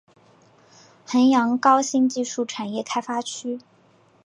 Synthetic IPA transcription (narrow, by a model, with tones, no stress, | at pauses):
xə˧˥njɑ˧˥ŋkɑ˥ʊɕi˥˧ŋt͡ɕi˥˧ʂu˥˩ʈ͡ʂʰa˨˩njɛ˥˩kʰa˥ɪfa˥t͡ɕʰy˥